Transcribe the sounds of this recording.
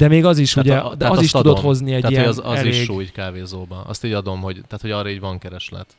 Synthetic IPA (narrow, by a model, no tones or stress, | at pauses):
d̪̥ɛmeːɡɒziʃuɟɛd̪ɛɒzziʃt̪d̪oho̞zniɛɟ̪t̪atijɛozɒɛzlieʃʃːɡʃuːɟkaːveːzoːbɒʔɒ̰st̪iːɟɒd̪o̞mho̞ɟt̪aːt̪hoɟɒːɾɒiːɟvɒŋkɛɾɛʃlɛ̰t̪